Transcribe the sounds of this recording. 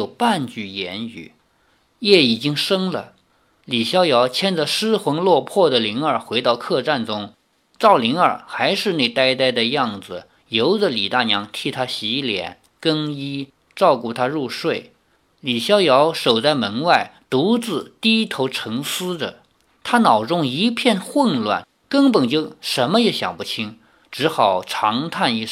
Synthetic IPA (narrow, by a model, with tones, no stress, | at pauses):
o˨˩ʊpa˥˧nt͡ɕy˥˩jɛ˧˥ny̰˨˧˩ | jɛ˥˩i˨˩t͡ɕi˥ŋʂɤ˥ŋlə˨˩ | li˨˩ɕjɑ˥ʊjɑ˧˥ʊt͡ɕʰjɛ˥nd͡zə˧˩ʂɻ̩˥xwɤ˧˥ŋlwɔ˥˧pʰwɔ˥˩d̪ə˩li˧˥ŋə˞˨˩xwe˧˥ɪt̪ɑ˥˧ʊkʰɤ˥˧ʈ͡ʂa˥˩nʈ͡ʂʊ˥ŋ | ʈ͡ʂɑ˥˩ʊli˧˥ŋə˞˨˩xa˧˥ɪʂɻ̩˥˧ne˥˧ɪt̪a˥ɪt̪a˥˩ɪd̪ə˩jɑ˥˩ŋd͡zɹ̩˩ | jo˧˥ʊdə˧li˨˩t̪a˥˩njɑ˧˥ŋt̪ʰi˥˩t̪ʰa˥ɕi˧˥ljɛ̰˧˥˦n | kɤ˥ŋi˥ | ʈ͡ʂɑ˥˧ʊku˥˩t̪ʰa˥ɻu˥˧ʂwe˥˩ɪ | li˨˩ɕjɑ˥ʊjɑ˧˥ʊʂo˨˩ʊt͡sa˥˩ɪmə˧˥nwa˥˩ɪt̪u˧˥t͡sɹ̩˥˩t̪i˥t̪ʰo˧˥ʊʈ͡ʂʰɤ˧˥ŋsɹ̩˥də̰˨ | t̪ʰa˥nɑ˨˩ʊʈ͡ʂʊ˥ŋi˧˥pʰjɛ˥˧nxwə˥˧nlwa̰˥˩n | kə˥ŋpə˨˩nt͡ɕjo˥˩ʊʂə˧˥nmə˧jɛ˧˥ɕjɑ̰˨˩ŋpu˥˩t͡ɕʰi˥ŋ | ʈ͡ʂɻ̩˧˥xɑ˨˩ʊʈ͡ʂʰɑ˧˥ŋt̪ʰa˥˧ni˧˥˧ʂ